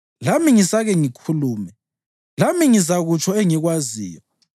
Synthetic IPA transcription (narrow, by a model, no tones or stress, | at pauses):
lamiŋisaɣɛŋikʰuluːmɛ | lamiŋizaɣut͡ʃʰɔeŋiɣwazḭːjɔ